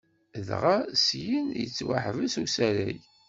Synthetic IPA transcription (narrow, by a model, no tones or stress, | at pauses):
ðʁasjinjə̰t͡sːwa̰ħvəsusæɾæj